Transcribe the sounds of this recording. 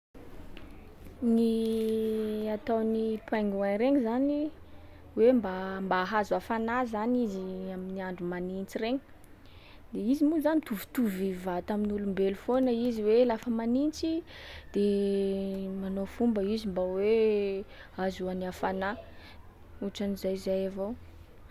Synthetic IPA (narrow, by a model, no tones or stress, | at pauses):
ni | at̪awnipwaŋɡuanɾeŋzani | wembambaɦazuafanazaniziaminiaɳɖ͡ʐumanint͡sireɲi̥ | d̪eizimuzanit̪uvu̥t̪uvivat̪aminulumbelufonəiziwelafəmanint͡sid̪̥e | manofumbəizimbawe | azuaniafana | uʈ͡ʂanizajzajavow